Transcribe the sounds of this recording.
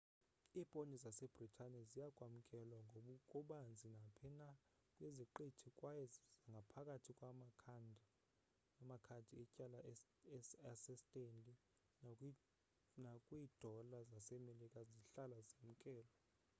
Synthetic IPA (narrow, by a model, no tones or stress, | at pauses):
ipʼonizasɛb̥ritʰanɛzijaɡ̥ʱʼwam̩kʼɛlwaŋɡʱoɓukʼuɓand͡zʱinapʰɛna | kʼweziǃitʰikʼwajɛzaŋɡʱapʰakʼatʰikʼwamakʰndʱ | amakʰandʱiɛcʼala | asɛstʼendʼi | nakʼwiːd̥ʱɔlazasɛmelikʼaziɬalazem̩kʼɛːlɔ